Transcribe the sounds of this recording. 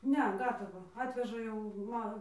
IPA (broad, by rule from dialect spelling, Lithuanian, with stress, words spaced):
ˈnʲɛ ˈɡɑːtɐʋɑː ˈɑːtʲʋʲɛʒɐ jɛʊ ˈmɐ